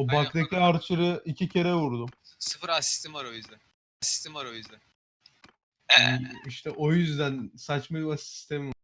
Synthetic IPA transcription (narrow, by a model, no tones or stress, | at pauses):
obakd̪ekʰiaɾt̪ʰɯɾɯicʰicʰe̞ɾɛvuɾd̪umsɯfɯɾasi̥st̪ʰimvaɾojyzd̪æn | asi̥st̪imvaɾo̞jyzd̪æn | ɛiʃt̪ʰɛʔo̞jyzd̪ænsat͡ʃmaasi̥st̪ʰemiv